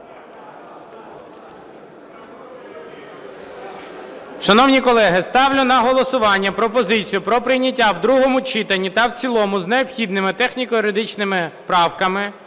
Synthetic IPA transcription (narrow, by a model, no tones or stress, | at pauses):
ʃɐnɔwnʲikɔlˠɛɦɪst̪ɑwlʲʊnɐɦɔlˠɔsʊʋɑnʲːɐpɾɔpɔzɪt͡sʲijʊpɾɔpɾɪjnʲɐtʲːawd̪ɾuɦɔmʊt͡ʃit̪ɐnʲːit̪ɐwt͡sʲilˠɔmʊzneɔpxʲid̪nɪmɪt̪ɛxnʲikɔjʊɾed̪ɪt͡ʃnɪmɪpɾɑwkɐmɪ